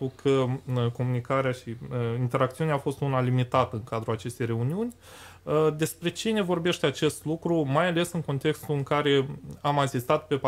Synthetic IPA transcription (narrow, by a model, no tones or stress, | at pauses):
ukʰəko̞munikaɾeaʃiint̪e̞ɾak̚t̪siuneaːfo̞st̪unalimit̪at̪əɨŋkad̪ɾuat͡ʃe̞st̪e̞jre̞uniunʲ | d̪e̞spɾe̞t͡ʃine̞vo̞rbe̞ʃt̪eat͡ʃe̞st̪lukɾumajale̞sɨŋko̞nt̪e̞kst̪uɨŋkaɾe̞amasist̪at̪pe̞p